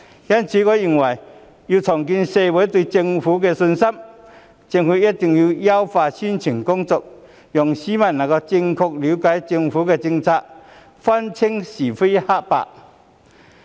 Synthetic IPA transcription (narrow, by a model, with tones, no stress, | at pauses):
ja˧˥˨nt͡ɕʰi˨˦kɔ˧˦i˧˩ŋwa˨˩j | ju˧t͡sʰɔ˨˩ŋki˧nse˧we˨˦t̪wi˧t͡ɕi˧ŋfu˨˦ke˧sʊ˧nsa˦˥m | t͡ɕi˧ŋhu˧˦je˦˥t̚t̪i˧ŋju˧ja˦wfaː˧ɕi˧˥nt͡ɕʰi˨˩ŋkʊ˥ŋt͡sɔ˧k̚ | jɔ˨˩ŋɕi˦mã˧˨nːa˨˩kɔ˧t͡ɕi˧ŋkʰʊ˧k̚li˨˦ka˨˦jt͡ɕi˧ŋfu˨˦ke˧t͡ɕi˧ŋt͡sʰa˧ʔ | fa˦˥nt͡ɕʰi˧˥ŋɕi˨˩fe˦˥ha˥ʔpa̰˧˨ʔ